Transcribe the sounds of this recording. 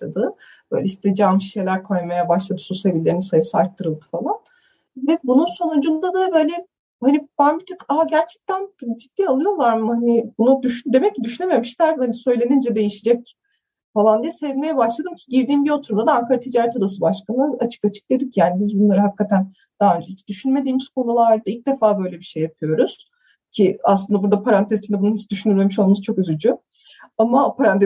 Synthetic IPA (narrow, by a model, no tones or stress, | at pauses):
ʃlˠad̪ɯ | b̥ø̞̰jlʲɛiʃt̪ʰɛd͡ʒanmʃi̥ʃejlʲæɾkʰo̞jmajabaʃlˠad̪ɯ̥suse̞vilʲːe̞ɾinisajɯsɯaɾt̪ʰːɯɾɯlˠd̪ɯ̥falˠan | vɛbununso̞nud͡ʒund̪ad̪abø̞ːjlʲɛ | hanibænbit̪ʰøkaɦɟæɾt͡ʃʰɛ̥c̚t̪ʰænd͡ʒid̪̥ːiːalˠɯjo̞lˠaɾmhanɪbunud̪yʃyd̪e̞mɛc̚cːid̪yʃyneme̞miʃlʲæɾhanisø̞jlʲe̞nind͡ʒɛd̪e̞jiʃid͡ʒɛc̚ | falˠand̪ijɛse̞vilʲme̞jɛbaʃlˠad̪ɯmcʰi̥ɟiɾd̪iːmbio̞t̪ʰuɾumd̪ad̪aaŋkʰaɾat̪ʰid͡ʒaːɾɛt̪ʰo̞d̪asɯbaʃkʰanɯat͡ʃʰɯ̥kat͡ʃʰɯ̥k̚d̪e̞d̪icjaːnibizbunlˠaɾɯɦakːat̪ʰæn | d̪̥aɦaø̞nd͡ʒehit͡ʃd̪̥yʃynme̞d̪iːmiz̥kʰo̞nulˠaɾd̪ailc̚d̪e̞faːbø̞jlʲebiʃejːapʰɯjo̞ɾuz̥ | cʰiaslˠɯnd̪abuɾd̪apʰaɾant̪ʰezit͡ʃʰind̪ɛbununɦit͡ʃd̪yʃynyɾme̞miʃo̞lˠmast͡ʃʰo̞køzyd͡ʒy | amapaɾanɛ